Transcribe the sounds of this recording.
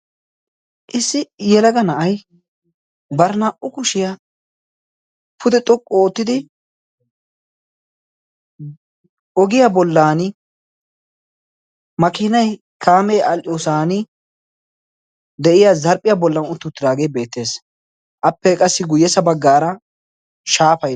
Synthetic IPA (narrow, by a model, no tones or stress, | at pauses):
ʔɪsːɪjɛlɐɡɐnɐʔɐj | bɐɾnaʔʊkʊʃɪja | pʰʊd̪ɛt̪ʼɔkʼːɔoːt̪ːɪd̪ɪ | ɔɡɪjabɔlːaːnɪ | mɐkɪnɐj | kʰaːmejʔɐlʔɪjoːsaːnɪ | d̪ɛʔɪjazɐɾpʼːɪjabɔlːɐnʊt̪ːʊt̪ːɪd̪aːɡejbe̞ːt̪ːe̞ːs | ʔɐpːɛkʼɐsːɪɡʊjːɛsɐbɐɡːaːɾɐ | ʃaːfɐ